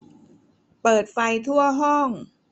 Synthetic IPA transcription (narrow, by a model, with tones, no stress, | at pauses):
pɤː˨˩t̪̚fa˧jt̪ʰu˥˩ɐɦɔ˥˩ŋ